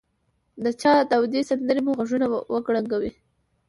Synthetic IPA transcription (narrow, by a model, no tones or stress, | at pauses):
d̪ət͡ʃɑd̪awd̪esand̪əɾemuɣaʒunawʔəɡɽaŋɡawi